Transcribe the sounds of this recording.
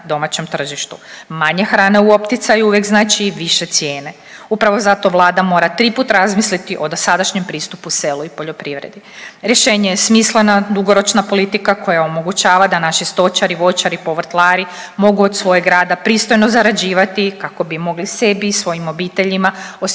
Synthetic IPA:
d̪o̞mat͡ɕe̞mt̪r̩ʒiʃt̪umaɲe̞xɾaːne̞uo̞pt̪it̪sajuuʋjeɡznaːt͡ʃiʋiʃe̞t̪sje̞ːne̞ | upɾaʋo̞zat̪o̞ʋlˠaːd̪amo̞ɾat̪ɾiput̪ɾazmislit̪iʔo̞d̪osad̪aʃɲempɾiːst̪upuse̞luipo̞ʎo̞pɾiʋɾḛd̪i | ɾjeʃe̞ːɲejesmislenad̪uɡo̞ɾo̞t͡ʃnapo̞lit̪ikako̞jao̞mo̞ɡut͡ɕaːʋad̪anaʃist̪o̞t͡ʃaɾiʋo̞jt͡ʃaɾipo̞ʋr̩t̪lˠaːɾi | mo̞ɡuod̪sʋo̞jeɡɾaːd̪apɾiːst̪o̞jnozaɾad͡ʑiːʋat̪ikako̞bimo̞ɡlise̞biːsʋo̞jimo̞biːt̪e̞ʎimaos

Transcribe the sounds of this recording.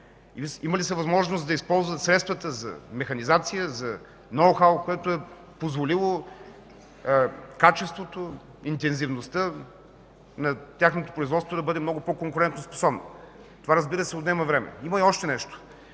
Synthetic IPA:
iiməlisəvɐzmɔʒnosd̪ɐispɔlˠzvɐt̪sɾɛt̪st̪vət̪əzɐ̰mɛxɐnizat̪sijəzɐ | nowxalˠkoɛt̪oɛ | pozvolilˠo | kat͡ʃɛst̪vot̪o | int̪ɛnzivnost̪ə | nɐt̪ʲjaxnot̪o̥pɾʊizvɔt̪t̪vod̪ɐbɤd̪ɛmnɔɡʊpɔkoŋkʊɾɛnt̪nospo̥sɔbno̰ | t̪ovaɾɐzbiɾəsɛod̪nɛmɐvɾɛmɛ̰imɐiɔʃt̪ɛnɛʃt̪o̥

